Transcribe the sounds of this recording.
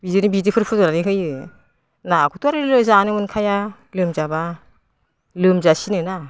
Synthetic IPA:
bidɯnibidɯpʰɯɾpʰɯzɔɾaniɦɯjɯ | nakʰɯtuaɾɯlɯzanɯmɯnkʰaja | lɯmzaba | lɯmzasinɯna

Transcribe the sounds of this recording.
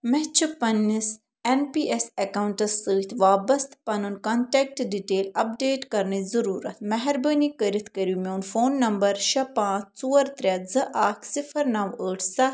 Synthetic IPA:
mɛt͡ʃʰupɐnːis | enpiːʔesɐkaːwɳʈɐsːəːt̪ʰʋaːbɐst̪pɐnɨnkɐɳʈek̚ʈɖiʈeːlɐp̚ɖeːʈkɐɾnizɐɾuːɾɐt̪ʰmɐɦɛɾbəːnikəɾit̪ʰkəɾumʲoːnfoːnːɐmbɐɾʃɐpãːt͡sʰt͡suːɐɾt̪ɾʲɐd͡zɨʔaːkʰsifʰɐɾnɐʋəːʈʰsɐ

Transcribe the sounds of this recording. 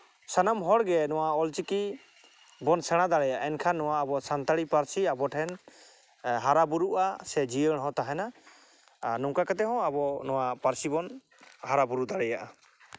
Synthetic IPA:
sanamɦɔɽɡɛnɔwaɔlt͡ʃiki | bɔnsɛɽ̃ad̪aɽɛjaʔɛnkʰanːɔwaːbɔsant̪aɽipaɾsiabɔʈʰɛn | ɦaɾabuɾuʔasɛd͡ʒiəɽɦɔ̃t̪aɦɛna | nuŋkakat̪ɛɦɔ̃abɔnɔwapaɾsibɔn | haɾabuɾud̪aɽɛjaʔa

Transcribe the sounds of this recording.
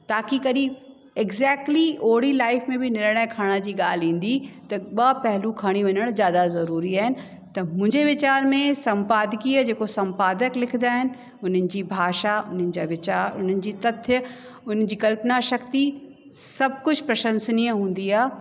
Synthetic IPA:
t̪aːkikɐɗi | ɪɡzɛːk̚ʈlioːɽilaːɪfmẽbɪnɪɾɽ̃əːkʰaːɽ̃ad͡ʑiːɠaːl̤ĩːn̆d̪it̪ɐɓɐpɛɦlukʰaːɽ̃iʋɐɲəɽ̃zjaːd̪azɐɾuːɾiaːɦɪnɪ̆ | t̪ɐmʊ̃ɦɪɲd͡ʑeʋɪt͡ɕaːɾmẽsɐ̃mpaːd̪ɪkiəd͡ʑeːkosɐ̃mpaːd̪əklɪkʰɪnd̪aːɦɪnɪ̆ | ʊn̤ənɪ̆d͡ʑiːbʱaːʃaʊn̤ənɪ̆d͡ʑaːʋɪt͡ɕaːɾʊn̤ənɪ̆d͡ʑiːt̪ɐt̪ʰj | ʊn̤ən̆d͡ʑiːkɐlpnaʃɐkt̪i | sɐb̚ʱkʊd͡ʑʱpɾɐʃə̃nsniːə̃ɦũːn̆d̪iaː

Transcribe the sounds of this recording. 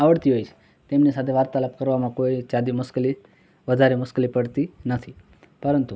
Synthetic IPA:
aʋəɽt̪iɦojt͡ʃʰe̥ | t̪emnisat̪ʰeʋaɾt̪aləpkəɾʋamãkoit͡ʃad̪imʊskli | ʋəd̪ʱaɾemʊsklipəɽt̪inət̪ʰi | pəɾənt̪u

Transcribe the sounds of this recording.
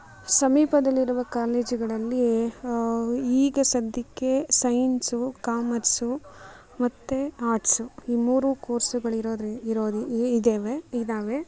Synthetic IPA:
sɐmiːpɐd̪ɐlːiɾuʋɐkaːleːd͡ʒiɡɐɭɐlːi | iːɡɐsɐd̪ʱːikːe̞sɐjnsukaːmɐɾsu | mɐt̪ːeaːʈsuiːmuːɾukoːɾsuɡɐɭiɾoːd̪iɾoːd̪iːd̪eːʋeid̪aːʋe

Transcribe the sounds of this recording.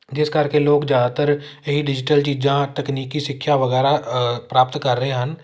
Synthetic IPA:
d͡ʒɪskɐɾkeloːɡd͡ʒaːd̪at̪əɾjəɦiɖɪd͡ʒɪʈəlt͡ʃiːd͡ʒãʈɐkniːkːisɪkʰːjaʋɐɣɛːɾapɾaːp̚t̪kɐɾːəɦeɦɐn

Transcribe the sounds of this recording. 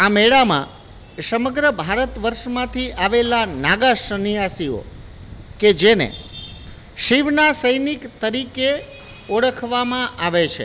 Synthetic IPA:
ameɭamã̰ | səməɡɾəbʱaɾət̪ʋəɾʃmãt̪ʰiʔaʋelanaɡaʃənijasio̰ | ked͡ʒenḛ | ʃiʋnasəjnikt̪əɾike | oɽəkʰʋamãʔaʋet͡ʃʰḛ

